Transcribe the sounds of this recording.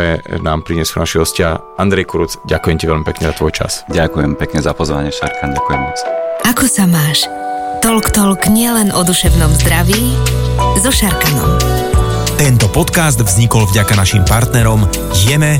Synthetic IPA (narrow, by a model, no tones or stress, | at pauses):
ɛnaːmpɾiɲɛsunaʃiɦɔscɪa | and̪ɾɛjkuɾut͡sɟakujɛmcɛʋɛlmipɛkɲɛzat̪ʋɔjt͡ʃa̰sɟakujɛmpɛkɲɛzapɔzʋa̰ɲɪɛʃa̰ɾkanɟakujɛmmɔt͡sakɔsamaːʃt̪ɔlkt̪ɔlkɲɪɛlɛnʔɔd̪uʃɛʊnɔmzd̪ɾaʋiː | zɔʃaɾkanɔ̰m | t̪ɛnt̪ɔpɔt̪kazd̪vzɲikɔlvɟakanaʃimpaɾt̪nɛɾɔm | jɛmɛ